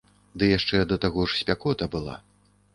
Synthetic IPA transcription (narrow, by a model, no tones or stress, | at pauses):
d̪ɨjaʂt͡ʂɛd̪ɐt̪aɣɔʐsʲpʲakɔt̪ɐbɨlˠa̰